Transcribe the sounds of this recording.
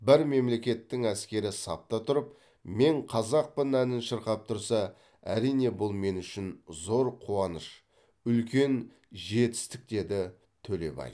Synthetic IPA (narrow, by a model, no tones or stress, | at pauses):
bɪɾme̞mle̞kʲe̞t̪ːɪŋæskʲe̞ɾɪsɑ̰p̚t̪ɑt̪ʰʊɾəp̚ | me̞ɴqʰɑzɑq̚pənænɪnʃəɾqɑp̚t̪ʰʊɾsɑ | æ̰ɾijne̞bʊlˠme̞nʏʃɪnzo̞ɾqʰuɑnəʃ | ʏlkʲe̞n | ʒe̞t̪ɪ̥st̪ɪk̚d̪e̞d̪ɪ | t̪ʰɵle̞̰bɑ̰j